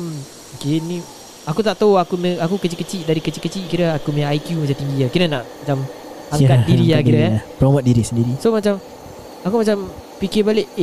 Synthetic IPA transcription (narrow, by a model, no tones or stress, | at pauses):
m | okenĩ | akut̪aʔt̪auakumeakukət͡ʃiʔkət͡ʃiʔdaɾikət͡ʃikət͡ʃiʔkiɾəakumeaajkjumat͡ʃamt̪iŋɡiakiɾənaʔmat͡ʃam | aŋkatdiɾiakiɾəkpɾomat̪̚diɾisəndiɾisomat͡ʃam | akumat͡ʃampikibaleʔ